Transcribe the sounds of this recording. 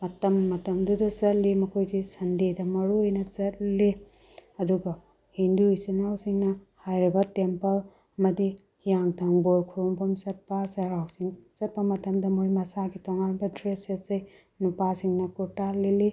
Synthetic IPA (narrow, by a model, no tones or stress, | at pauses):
mɐtɐmːɐtɐmdudɐsɐt̚limɐkʰojzisɐndedɐmɐɾujnɐt͡ʃɐt̚li | ɐduɡɐ | hinduisɐnawsiŋnɐhajɾibɐtempɐl | ɐmɐdi | hijaŋtʰɐŋboɾkʰuɾompɐmsɐt̚pɐsɐɾawsiŋsɐt̚pɐmɐtɐmdɐmɐɾumɐsaɡitɔŋanbɐdɾesesej | nupasiŋnɐkuɾtalːili